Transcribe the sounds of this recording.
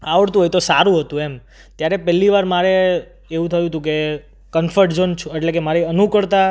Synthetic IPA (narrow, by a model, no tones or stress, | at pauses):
aʋəɽt̪ũɦojt̪osaɾũɦət̪ũem | t̪jaɾepɛlːiʋaɾmaɾe | eʋũt̪ʰəjũət̪ũke | kənfəɾʈd͡ʒənt͡ʃʰuɛʈlekemaɾeənukəɭt̪a